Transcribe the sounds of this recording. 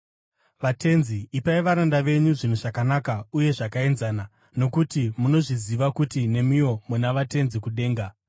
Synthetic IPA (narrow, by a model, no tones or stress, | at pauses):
ʋate̞nziːpaiʋaɾandaʋe̞ɲuʐinuʐakanakauje̞ʐakae̞nzana | no̞kutimuno̞ʐiziʋakutine̞mijo̞munaʋate̞nzikuɗe̞ːŋɡa